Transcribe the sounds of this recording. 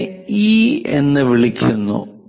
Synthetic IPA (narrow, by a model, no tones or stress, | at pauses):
iːenːɨʋiɭikʲːunːṵ